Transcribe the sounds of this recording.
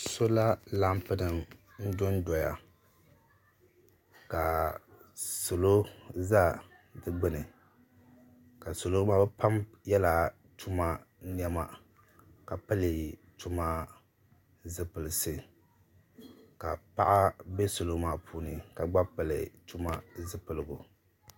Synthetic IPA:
so˦la˦la˦mpɨ˦nɨ˨m | n̩˦do˦n˦dɔ˨ja̰˨ | ka˨ | so˨lo˦za˦ | dɨ˦ɡ͡bɨ˦nɨ˨ | ka˨so˨lo˦maː˦˨bɛ˦pa˦m | jɛ˦la˨ | tʰu˦ma˦ | n˦ɛ˦ma˦ | ka˨pɨ˦lɨ˨tu˦ma˦ | zɨ˦pɨ˨lɨ˨sɨ˦ | ka˨pa̰˦ʔa˦be˦so˨lo˦maː˨pʰuː˦nɨ˨ka˨ɡ͡ba˦pɨ˨lɨ̰˨tu˦ma˦zɨ˦pɨ˨lɨ˨ɡʊ˨

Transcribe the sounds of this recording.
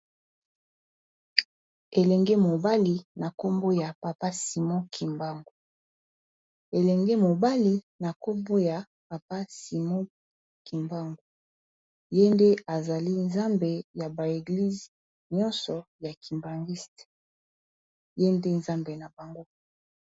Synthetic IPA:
e˨lɛ˨ŋɡɛ˦mo˨ba˦li˨na˨ko˦mbo˦ja˨pa˨pa˦si˨mɔ̃˦kʰi˨mba˦ŋɡo˨ | e˨lɛ˨ŋɡɛ˦mo˨ba˦li˦ | na˨ko˦mbo˦ja˨ | pa˨pa˦si˨mɔ̃˦ | ki˨mba˦ŋɡo˨ | je˦nde˦a˨za˨li˦nza˦mbe˨ja˨ba˨e˨ɡli˦zi˨ | ɲɔ˦nsɔ˨ja˨kʰi˨mba˨ŋɡi˦st | je˦nde˦nza˦mbe˨na˨ba˨ŋɡo˦

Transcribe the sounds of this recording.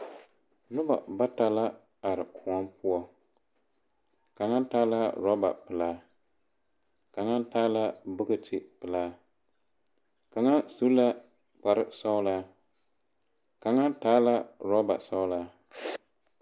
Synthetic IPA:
nʊ˦ba̰˨ba˦ta˨la˦ | a˨ɾɨ˨kʰʊ˨ɔ˦mpʊ˦ɔ˦ | ka˨ŋa˦n˦taː˦la˦ɾɔ˦ba̰˨pɨ˨laː˦ | ka˨ŋa˦n˦taː˦la˦bʊ˦ɡɨ˦ti˦˨pɨ˨laː˦ | ka˨ŋa˦su˦la˦ | k͡pa˨ɾɨ˦sa˦ʊ˦laː˦ | ka˨ŋa˦n˦taː˦la˦ɾɔ˦ba̰˨sa˦ʊ˦laː˦

